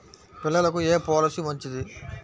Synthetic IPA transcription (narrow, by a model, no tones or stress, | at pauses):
pilːɐlɐkueːpoːlɐsimɐɲt͡ʃid̪i